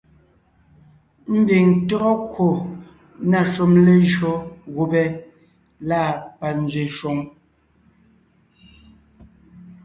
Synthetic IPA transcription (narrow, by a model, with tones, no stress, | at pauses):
m̩˦bi˨ŋtɔ˦ɔ˦kwo˨ | na˨ʃu˦˨mle˦ʒɔ˦ɣo˨bɛ˦ | la˦˨pa˨n̩˦d͡zɥe˨ʃwɔ˨ŋ